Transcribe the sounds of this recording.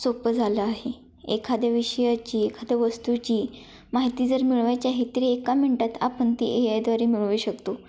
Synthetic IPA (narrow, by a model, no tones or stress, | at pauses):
sopəd͡zʱaləaɦe | ekʰad̪jaʋiɕəjat͡ɕiːekʰad̪jaʋəst̪ut͡ɕiː | maɦit̪id͡zəɾmiɭʋat͡ɕaɦit̪əɾiekam̤əɳʈat̪ʰa̰pəɳt̪ḭʔejajd̪ʋaɾimiɭʋuːɕəkt̪o